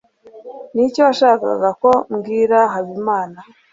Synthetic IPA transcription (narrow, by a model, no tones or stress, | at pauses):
nicoaʃaːka̰ɡako̞mɡiːɾaɦaβimaːna